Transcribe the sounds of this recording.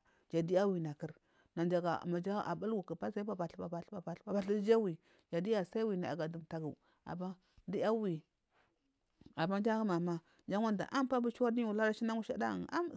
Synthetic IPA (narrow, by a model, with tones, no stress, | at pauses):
d͡ʒa˨di˦a˦wi˨na˨ki˦ɾ | na˨nd͡ʒa˨ɡa̰˨ma˨d͡ʒa˦a̰˨ba˦lwu˨ki˨pa˦sa˦i˦a˦ba˨ɬba˨ba˨ɬba˨ba˨ɬa˨ba˨ɬi˦d͡ʒa˦wi˨ | d͡ʒa˨di˦ja˨sa˦i˦wi˨na˨a̰˨ɡa˨du˨mta˨ɡu˨ | a̰˨ma˦ | di˦a˦wi˨ | a˨ma˦d͡ʒa˦ɡa˦ma˨ma˦ | d͡ʒa˦ŋʷa˦nda̰˨ʔa˦mpa˦bu˦t͡ʃa˦di˦u˨la˦ɾa˦ʃi˦na˦ŋu˦ʃa̰˦da̰˦˨a˦m